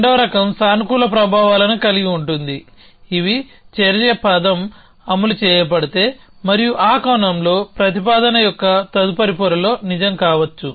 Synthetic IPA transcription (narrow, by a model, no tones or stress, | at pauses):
ɳɖɐʋɐɾɐkɐmsaːnkuːlɐpɾɐbʱaːʋaːlɐnukɐliɡiuɳʈund̪i | iʋit͡ʃeɾɐɐjɐpɐd̪ɐm | ɐmːulut͡ʃɛːjɐp̬ɐɽit̪e̞ː | mɐɾijuʔaːkɐwnɐmlo̞ːpɾɐt̪ipaːd̪ɐnɐjɔkːɐt̪ɐd̪upɐɾipuɾɐlo̞ːnid͡ʒɐmkaːʋɐt͡ʃːu